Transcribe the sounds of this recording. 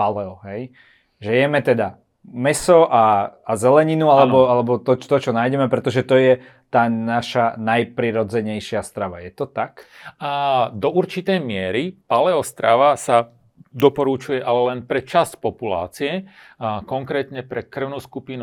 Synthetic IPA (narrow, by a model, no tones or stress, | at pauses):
palɛɔɦɛj | ʒɛjɛmɛt̪ɛd̪a | mɛsɔʔaazɛlɛɲinualɛbɔalɛbɔt̪ɔt̪ɔt͡ʃɔnaːjɟɛmɛpɾɛt̪ɔʒɛt̪ɔjɛ | t̪aːnaʃanajpɾiɾɔd͡zɛɲɛjʃɪast̪ɾaʋa̰jɛt̪ɔt̪akː | d̪ɔuɾt͡ʃit̪ɛjmɪɛɾipalɛɔst̪ɾaʋasa | d̪ɔpɔɾut͡ʃujɛʔalɛlɛnpɾɛt͡ʃascpɔpula̰ːt͡siɛ | kɔŋkɾɛːt̪ɲɛpɾɛkr̩ʊnuːskupinu